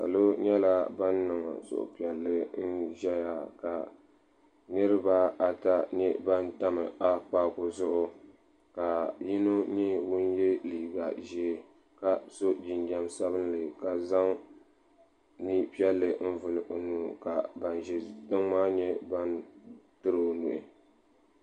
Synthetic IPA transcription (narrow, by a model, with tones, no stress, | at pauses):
sa̰˨lo˦ɲɛ˦la˦ba˦nːɨ˨ŋa̰˨sʊ̰˨ʔʊ̰˨pi˨ɛ˨lːɨ˦n̩˦ʒɛ˦ja˨ka˨ | nɨ˦ɾɨ˦ba˦a˨ta˦ɲɛ˦ba˦nta˦mɨ˨a˦k͡paː˦kʊ˨zʊ˦ʔʊ˦ | ka˨ji˦no˦ɲɛ˦wʊ˦nje˦liː˨ɡa˨ʒi˦ | ka˨so˦d͡ʒi˨nd͡ʒa˦msa˦βɨ˦nlɨ˨ka˨za˦ŋ | ni˦pi˦ɛ˦lːɨ˦n̩˦vʊ˨lʔo˨nuː˨ka˨ba˨nʒɛ˨tɨ˦ŋmaː˦ɲɛ˦ba˦ntɨ˦ɾo˨nṵ˨ʔɪ˨